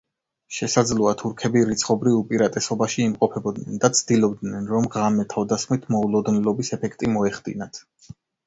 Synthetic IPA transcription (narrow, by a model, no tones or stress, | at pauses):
ʃɛsad̪zlˠɔat̪ʰuɾkʰɛbiɾit̪sʰχɔbɾivupʼiɾat̪ʼɛsɔbaʃiːmqʼɔpʰɛbɔd̪nɛnd̪at̪sʰd̪̥ilˠɔbd̪nɛnɾɔmʁamɛt̪ʰavd̪asχmit̪ʰmɔulˠɔd̪nɛlɔbisɛpʰɛkʰt̪ʼimɔɛχd̪̥ḭnat̪ʰ